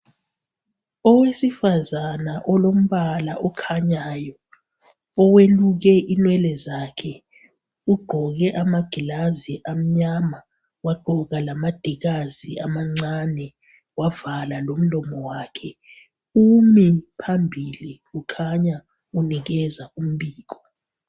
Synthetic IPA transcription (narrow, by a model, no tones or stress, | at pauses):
ɔwesifazanaʔɔlom̩βalaʔɔkʰaɲajɔ | ɔweluɣ̬ɛʔinwɛlɛzakʰɛ | uɡ͡ǃʱɔɣɛʔamaɡ̥ʱilaziʔam̩ɲama | waɡ͡ǃʱɔɣalamad̥ʱiɣaziamaŋ͡ǀanɛ | wavalalom̩lɔmɔwaːkʰɛ | umipʰambʱili | ukʰaɲa | unik̬ɛzaum̩ɓiːk̬ɔ